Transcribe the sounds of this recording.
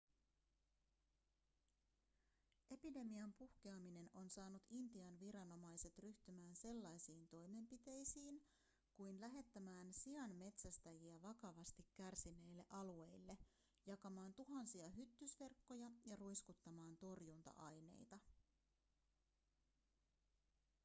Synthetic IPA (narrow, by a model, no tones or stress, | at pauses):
ʔe̞pide̞miɑmpuhk̟eɑmine̞no̞nsɑːnut̪int̪iɑnʋiɾɑno̞mɑjse̞t̪ryht̪ymæːnse̞lːɑjsiːnt̪o̞jme̞mpit̪e̞jsiːn | kujnlæɦe̞t̪ːæmæːnsiɑnme̞t̪sæst̪æjiæʋɑkɑʋɑst̪ikːærsinːe̞jlːe̞̰ʔɑlue̞jlːe̞ | jɑkɑmɑːnt̪uɦɑnsiɑɦyt̪ːysʋe̞rkːo̞jɑjɑrujskut̪ːɑmɑːnt̪o̞rjunt̪ɑ̰ʔɑjne̞̰jt̪ɑ